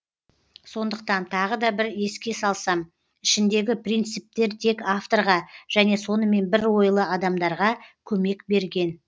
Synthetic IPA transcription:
so̞nd̪əq̚t̪ɑnt̪ʰɑʁəd̪ɑbɪɾe̞skʲe̞sɑlˠsɑm | ɪʃɪnd̪e̞ɡʲɪprijnt̪sɨp̚t̪e̞ɾt̪ʰe̞kaft̪o̞ɾʁɑʒ̥æne̞so̞nəme̞nbɪɾwo̞jlˠəɑd̪ɑmd̪ɑɾʁɑkʲʰɵme̞kbe̞ɾɡʲe̞n

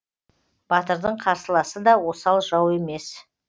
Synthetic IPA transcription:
b̥ɑt̪əɾd̪əɴqʰɑɾsəlˠɑsəd̪ɑwo̞sɑlˠʒɑwe̞me̞s

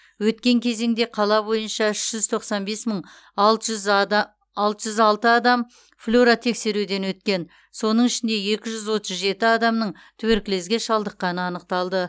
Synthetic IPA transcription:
wɵt̪kʲe̞ŋkʲʰe̞ze̞ŋd̪e̞qʰɑlˠɑbo̞jənʃɑɪʃʒ̥ʏz̥t̪ʰo̞qsɑnbe̞sməɴ | ɑlˠt̪ʒʏz | ɑlˠt̪əʒʏzɑlˠt̪əɑd̪ɑm | flʲoɾat̪ʰe̞kse̞ɾud̪e̞nwɵt̪kʲe̞n | so̞nəɴɪʃɪnd̪e̞je̞kʲɪʒʏzwo̞t̪əzʒe̞t̪ɪɑd̪ɑmnəɴ | t̪ʰʉweɾkʲɪle̞zɡʲe̞ʃɑlˠd̪əqːɑnəɑnəq̚t̪ɑlˠd̪ə

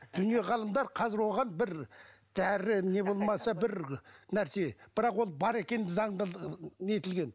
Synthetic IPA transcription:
d̪̥ʏnije̞ʁɑlˠəmd̪ɑɾqʰɑzɪɾwo̞ʁɑnbɪɾ | d̪̥æɾɪne̞bo̞lˠmɑsɑbɪɾnæɾse̞b̥ɪɾɑqwo̞lˠbɑɾe̞kʲe̞nd̪ɪzɑɴd̪et̪ɪlɡʲe̞n

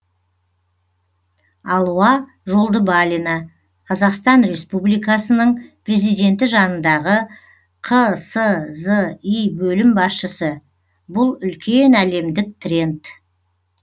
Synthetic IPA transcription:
ɑlˠuɑ | ʒo̞lˠd̪əbalʲinɑ | qʰɑzɑqst̪ɑnɾe̞spublijkɑsənəɴpʰre̞zijd̪e̞nt̪ɪʒɑnənd̪ɑʁə | qʰəsəzəijbɵlɪmbɑsʃəsə | bʊlˠʏlkʲʰe̞næle̞md̪ɪk̚t̪ʰrʲe̞nt̪

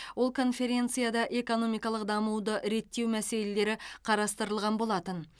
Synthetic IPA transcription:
wo̞lˠkʰo̞nfe̞ɾʲe̞nt̪sɨjad̪ɑʔe̞ko̞no̞mijkɑlˠəqd̪ɑmuwd̪əɾe̞t̪ːe̞wmæse̞le̞le̞ɾɪqʰɑɾɑst̪əɾəlˠʁɑnbo̞lˠɑt̪ən

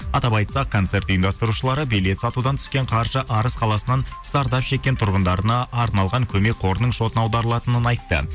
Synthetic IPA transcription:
ɑt̪ɑbɑjt̪sɑqkʰːo̞nt̪se̞ɾt̪ijəmd̪ɑst̪əɾuʃəlˠɑɾəbejle̞t̪sɑt̪ud̪ɑnt̪ʰʏ̥skʲe̞ɴqʰɑɾʒəʔɑɾəsqʰɑlˠɑsənɑnz̥ɑɾd̪ɑpʃe̞kʲːe̞nt̪ʰʊɾʁənd̪ɑɾənɑʔːɾnɑlˠʁɑŋkʲʰɵme̞k̚qʰo̞ɾənəɴʃo̞t̪ənɑwd̪ɑɾəlˠɑt̪ənənɑjt̪ːə̰

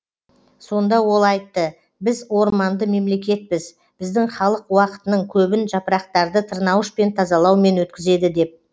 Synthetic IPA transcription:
so̞nd̪ɑwo̞lˠɑjt̪ːə | bɪzwo̞ɾmɑnd̪əme̞mle̞kʲe̞t̪̚bɪz | b̥ɪzd̪ɪŋχɑlˠəqwɑqə̥t̪ənəɴkʲʰɵbɪnʒɑpəɾɑq̚t̪ɑɾd̪ət̪ʰəɾnɑwəʃpe̞nt̪ʰɑzɑlˠɑwme̞nwɵt̪kʲɪze̞d̪ɪd̪e̞p̚

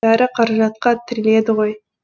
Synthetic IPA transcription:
ɑɾəqʰɑɾɑʒɑt̪qɑt̪ʰɪɾɪle̞d̪ɪʁoj

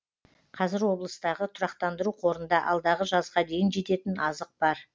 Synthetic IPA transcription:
qʰɑzɪɾwo̞blˠəst̪ɑʁət̪ʰʊɾɑqt̪ɑnd̪əɾuqʰo̞ɾənd̪ɑʔɑlˠd̪ɑʁəʒɑzʁɑd̪e̞jɪnʒe̞t̪e̞t̪ɪnɑzəq̚b̥ɑɾ

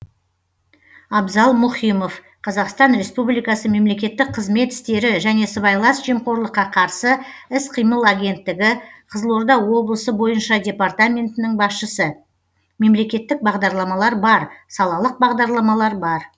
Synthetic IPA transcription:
ɑbzɑlˠmʊχijmo̞f | qʰɑzɑqst̪ɑnɾe̞spublijkɑsəme̞mle̞kʲe̞t̪ːɪk̚qʰːəzme̞t̪ɪ̥st̪e̞ɾɪʒæne̞səβɑjlˠɑsʒimqo̞ɾlˠəqːɑqʰɑɾsəɪsqʰijməlˠaɡʲe̞nt̪ːɪɡʲɪqʰəzəlˠo̞ɾd̪ɑwo̞blˠəsəbo̞jənʃɑdʲe̞part̪amʲe̞nt̪ɪnɪŋbɑsʃəsə | me̞mle̞kʲe̞t̪ːɪk̚bɑʁd̪ɑɾlˠɑmɑlˠɑɾbɑɾsɑlˠɑlˠəq̚bɑʁd̪ɑɾlˠɑmɑlˠɑɾbɑɾ

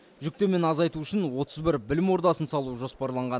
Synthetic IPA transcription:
ʒʏk̚t̪e̞me̞nɑzɑjt̪uʏʃɪnwo̞t̪əzbɪɾbɪlɪmo̞ɾd̪ɑsənsɑlˠuʒo̞spɑɾlˠɑɴʁɑn

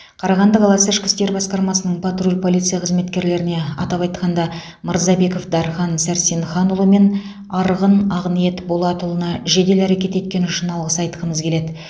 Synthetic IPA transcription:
qʰɑɾɑʁɑnd̪əqɑlˠɑsəɪʃkʲɪ̥st̪e̞ɾbɑsqɑɾmɑsənəɴpʰat̪rulʲpʰo̞lʲˠijt̪sɨjɑqʰəzme̞t̪kʲe̞ɾle̞ɾɪne̞ɑ̰t̪ɑpɑjt̪qɑnd̪ɑ | məɾzɑbe̞ko̞fd̪ɑɾχɑnsæɾsenχɑnulˠəme̞n | ɑɾəʁənɑʁnije̞t̪bolˠɑt̪ulˠənɑʒe̞d̪e̞læɾekʲe̞t̪e̞t̪̚kʲe̞nʊʃənɑlˠʁəsɑjt̪əʁəməzkʲʰe̞le̞d̪ɪ

